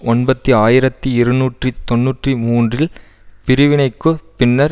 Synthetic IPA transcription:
ɔnbɐt̪ːiaːjɪɾɐt̪ːiɪɾɯnuːʈrit̪ɔnːuːʈrimuːndrɪl | pɪɾɯʋɪnɐɪkːɯpɪnːɐɾ

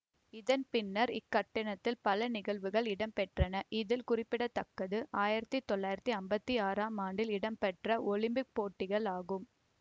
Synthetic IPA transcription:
ɪðɐnpɪnːɐɾɪkːɐʈːɐnɐt̪ːɪlpɐlɐnɪɣɐɭʋɯɣɐɭɪɽɐmpɛʈrɐnɐʔɪðɪlkʊrɪpːɪɽɐt̪ːɐkːɐðɯʔaːjɪɾɐt̪ːit̪ːɔɭːaːjɪɾɐt̪ːiɐmbɐt̪ːiaːɾaːmaːɳɖɪlɪɽɐmpɛʈrɐʔɔlɪmbɪk̚poːʈːɪɣɐɭaːɣɯm

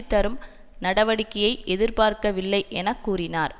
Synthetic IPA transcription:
t̪ːɐɾɯm | nɐɽɐʋɐɽɪkːɐjɐɪʔɛðɪɾpaːɾkɐʋɪlːɐɪʔɛnɐkːuːrɪnaːɾ

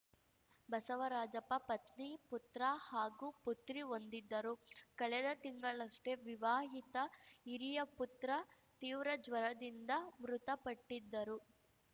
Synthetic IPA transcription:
bɐsɐʋɐɾaːd͡ʒɐpɐpɐt̪niput̪ɾɐhaːɡuːput̪ɾiond̪id̪ːɐɾukɐɭɛd̪ɐt̪iŋɡɐɭɐʂʈe̞ʋiʋaːɦit̪ɐiɾijɐput̪ɾɐ | t̪iːʋɾɐd͡ʒʋɐɾɐd̪ind̪ɐmɾut̪ɐpɐʈːid̪ːɐɾu

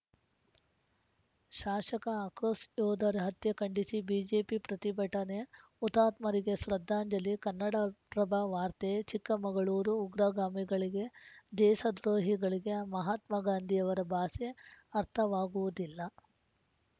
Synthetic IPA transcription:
ʃaːʂɐkɐːkɾoːsjoːd̪ʱɐɾeɦɐt̪jɐkɐɳɖisibiːd͡ʒeːpipɾɐt̪ibɐʈɐne | ut̪aːt̪mɐɾiɡe̞sɾɐd̪ʱːaːɲd͡ʒɐlikɐnːɐɽapɾɐbʱɐʋaːɾt̪et͡ʃikːɐmɐɡɐɭuːɾuːɡɾaɡaːmiɡɐɭiɡe̞d̪ɛːʃɐd̪ɾoːɦiɡɐɭiɡe̞mɐɦaːt̪mɐɡaːnd̪ʱijɐʋɐɾɐbʱaːseɐɾt̪ʰɐʋaːɡuʋud̪ilːɐ

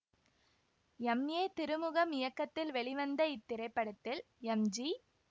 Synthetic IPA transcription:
ɛmjeːt̪ɪɾɯmɯɣɐmɪjɐkːɐt̪ːɪlʋɛɭɪʋɐnd̪ɐɪt̪ːɪɾɐɪpːɐɽɐt̪ːɪl | ɛmd͡ʒi

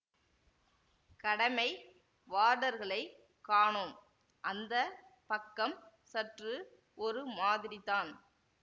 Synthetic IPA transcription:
kɐɽɐmɐɪ | ʋaːɽɐɾɣɐɭɐɪ | kːaːɳom | ʔɐnd̪ɐpɐkːɐm | sɐʈrɯ | ɔɾɯmaːðɪɾɪðaːn

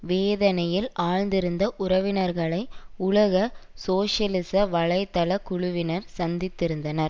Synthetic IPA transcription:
ʋeːðɐnɐjɪlaːɻnd̪ɪɾɯnd̪ɐʔʊɾɐʋɪnɐɾɣɐɭɐɪʊɭɐɣɐsoːʂɐlɪsɐʋɐɻɐɪt̪ːɐlɐkʊɻʊʋɪnɐɾsɐnd̪ɪt̪ːɪɾɯnd̪ɐnɐɾ

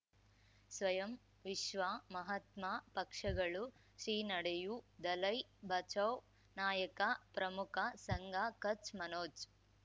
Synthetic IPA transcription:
sʋɐjɐm | ʋiʃʋaːmɐɦɐt̪maːpɐkʂɐɡɐɭu | ʃɾiːnɐɽejud̪ɐlɐjbʱɐt͡ʃɐw | naːjɐkapɾɐmukʰɐsɐŋɡʱaːkɐt͡ʃmɐnoːd͡ʒ

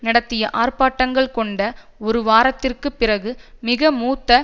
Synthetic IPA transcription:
nɪɽɐt̪ːɪjɐʔaːrpaːʈːɐŋɡɐɭkɔɳɖɐ | ɔɾɯʋaːɾɐt̪ːɪrkɯpːɪrɐɣɯmɪɣɐmuːt̪ːɐ

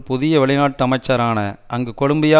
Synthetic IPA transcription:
pʊðɪjɐʋɛɭɪnaːʈːɯɐmɐɪt͡ʃːɐɾaːnɐɐŋɡɯkɔɽʊmbɪjaː

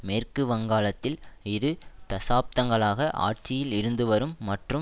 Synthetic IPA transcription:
meːrkɯʋɐŋɡaːlɐt̪ːɪlɪɾɯt̪ɐsaːp̚t̪ɐŋɡɐɭaːɣɐʔa̰ːʈ̚t͡ʃɪjɪlɪɾɯnd̪ɯʋɐɾɯmːɐʈrɯ

